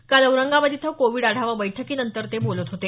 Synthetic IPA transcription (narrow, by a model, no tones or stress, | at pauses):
kaləwɾəŋɡaʋəd̪it̪ʰəkoʋiːɽaɽ̤aʋəbəjʈʰəkiːnənt̪əɾt̪ebolət̪ɦot̪e